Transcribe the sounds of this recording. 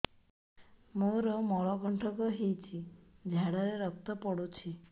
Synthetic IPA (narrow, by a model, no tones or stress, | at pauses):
moɾɔmɔɭɔɡʱɔɳʈʰɔkɔɦejt͡ʃʰid͡ʒʱaɽɔɾeɾɔk̚t̪ɔpɔɽut͡ʃʰi